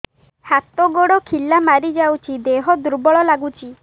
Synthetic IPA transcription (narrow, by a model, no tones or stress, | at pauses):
hat̪ɔɡoɽɔkʰilamaɾid͡ʒawt͡ʃʰid̪eɦɔd̪uɾbɔɭɔlaɡut͡ʃʰi